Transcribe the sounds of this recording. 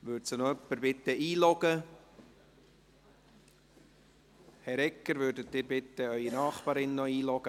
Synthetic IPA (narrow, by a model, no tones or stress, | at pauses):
ʋøːɾtsənɔœpːəɾb̥ɪt̪ːəiːlɔɡ̥ə | hɛɾɛkːəɾvʏːɾdət̪ːɪːɾbɪt̪ːəœʏinɑːχbɑːɾɪnːɔiːlɔɡ̥ə